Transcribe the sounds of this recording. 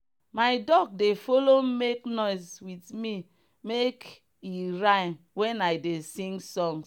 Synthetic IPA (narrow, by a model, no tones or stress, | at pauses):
maɪdɔɡ̚defolomeknɔɪswitmi | mek | iɹaɪn | wɛ̃naɪdesĩŋɡsɔ̃ŋs